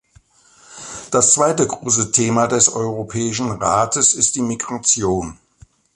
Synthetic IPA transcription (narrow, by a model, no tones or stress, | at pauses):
d̥ast͡sv̥aɪtəɡʁoːs̬ətʰeːmadɛsʔɔ̰ʏʁopʰɛːɪʃ̬n̩ʁaːtəsɪst̚d̥iːmiɡʁat͡sjoːn